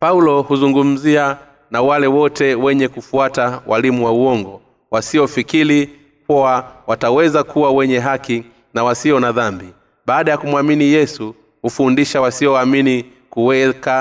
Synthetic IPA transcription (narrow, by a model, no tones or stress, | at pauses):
paulɔhuzuŋɡum̩zia | nawalɛwɔtɛwɛɲɛkufuatawalimuwauɔŋɡɔ | wasiɔfikili | kɔawatawɛzakuwawɛɲɛɦaki | nawasiɔnaðambi | ɓaːɗajakumwaminijɛsu | hufundiʃawasiɔamini | kuwɛka